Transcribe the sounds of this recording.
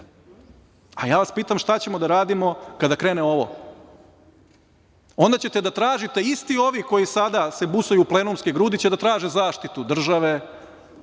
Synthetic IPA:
a̰jaːʋaspiːt̪amʃt̪at͡ɕe̞mo̞d̪aɾaːd̪imo̞kad̪akɾe̞ːneo̞ʋo̰ | o̞nd̪at͡ɕe̞t̪e̞d̪at̪ɾaːʒit̪e̞ist̪io̞ʋiko̞jisad̪ase̞busojuːple̞numskeɡɾuːd̪it͡ɕed̪at̪ɾaːʒezaːʃt̪it̪ud̪r̩ʒaʋe

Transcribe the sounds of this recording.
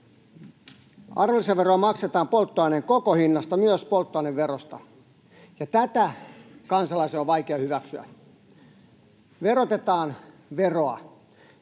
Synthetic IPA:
ɑ̰rʋelist̪eʋeroɑmɑkset̪ɑːmpolt̪ːoɑineŋkokohinːɑst̪ɑmyøspolt̪ːoɑneʋʋerost̪ɑ̰ | jɑt̪æt̪ækɑnsɑlɑiseoʋʋɑikeɑhyʋæksyæ̰ | ʋerot̪et̪ɑːn | ʋeroɑ

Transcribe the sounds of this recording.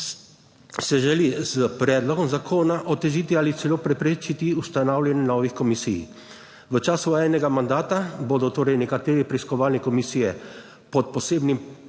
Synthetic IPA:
sɛʒɛliz̥əpɾɛːd̪lɔɡɔmzakʰoːnaʔɔt̪ɛʒit̪ialit̪sɛloːpɾɛpɾeːt͡ʃit̪iust̪anawljɛnɛnɔːʋixkɔmisḭj | ʋət͡ʃaːsuɛːnɛɡamand̪aːt̪aboːd̪ɔt̪oːɾɛjnɛkat̪eːɾipɾɛiskɔʋaːlnikɔmisiːjɛ | pɔt̪̚pɔseːbnim

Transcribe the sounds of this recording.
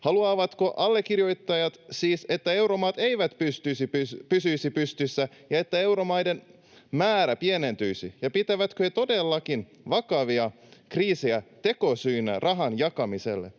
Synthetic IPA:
hɑluɑːʋɑt̪ko̞ʔɑlːekːirjo̞jt̪ːɑjɑt̪siːse̞t̪ːæe̞wɾomɑːt̪eiʋæt̪pyst̪ysipypysyjsipyst̪ysːæjɑe̞t̪ːæe̞wɾomɑjden | mæːɾæpiene̞nt̪yjsijɑpit̪æʋæt̪køhet̪o̞de̞lːɑkin | ʋɑkɑʋiɑ | kriːseæt̪e̞ko̞syːnːærʔɑɦɑnjɑkɑmise̞̰lːe

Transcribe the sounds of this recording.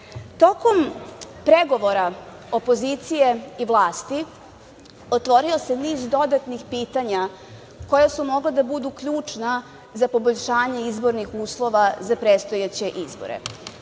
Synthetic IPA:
t̪o̞ko̞m | pɾeɡo̞ʋo̞ɾa | o̞po̞zit̪sije̞iʋlˠaːst̪i | ot̪ʋo̞ɾio̞se̞niːzd̪o̞d̪at̪nixpiːt̪aɲa | ko̞jasumo̞ɡled̪abud̪ukʎuːt͡ʂna | zapo̞bo̞ʎʲʃaːɲe̞izbo̞ɾnixuːslˠo̞ʋazapɾeːt̪st̪o̞jat͡ɕe̞ʔizbo̰ɾḛ

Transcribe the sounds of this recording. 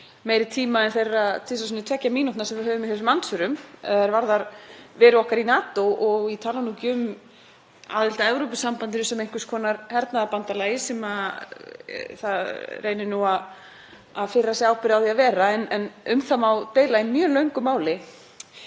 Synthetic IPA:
meːjɾɪt̪ʰiːmaɛnθejrːaðt̪ʰɪs̬asɔnːʏt̪ʰvɛcːamiːnut̪aɾsɛmvɪðɦœːvʏmɪhɛsmansʏɾʏmɛ̰aɾvaɾðaɾvɛːɾʏɔhkaɾinaːt̪owʔɔɣit̪ʰaːlanuːcʏm | a̰ːðɪl̥t̪aɛvɾowpʏsampant̪ɪnʏsɛmejŋ̥kʏ̥skʰɔːnaɾhɛɾt̪naðapant̪alaːjɪsɛma | θaðreːjnɪnuað | aðfɪrːasɛaːwpɪɾawðiaðvɛːɾaɛnɛnʏmθamawt̪eːjlaɪnmjœːlœɥŋkʏmaːwlɪ

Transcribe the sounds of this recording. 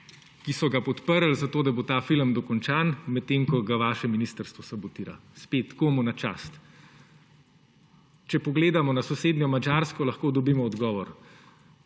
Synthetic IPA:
kisɔɡapɔt̪pəɾlzat̪oːd̪abot̪aːfiləmd̪ɔkɔnt͡ʃaːnmɛt̪ːeŋkɔɡaʋaːʃɛminist̪əɾst̪ʋɔsabɔt̪iːɾa̰spet̪komɔnat͡ʃa̰ːst̪ | t͡ʃɛpɔɡleːd̪amɔnasɔseːd̪nʲjɔmad͡ʒaɾskɔlɐxkoːd̪ɔbiːmɔːd̪ɡɔːʋɔɾ

